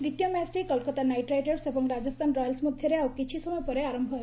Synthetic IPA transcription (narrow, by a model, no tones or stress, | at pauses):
ʋit̪jʌmasʈikʌlkət̪anajʈɾajʈeɾsebʌŋɡɾad͡zʌst̪ʰanɾɔjəlsmud̪ʱjʌɾeawkit͡ʃʰisɔmɔjpʌɾeaɾəmbʱʌ